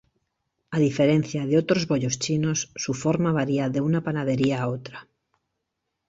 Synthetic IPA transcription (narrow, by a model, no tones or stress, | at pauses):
aðife̞ɾe̞n̟θjaðeo̞t̪ɾo̞zβo̞ʎo̞st͡ʃino̞sːufo̞ɾmaβaɾiaðe̞unapanað̞e̞ɾiaːot̪ɾa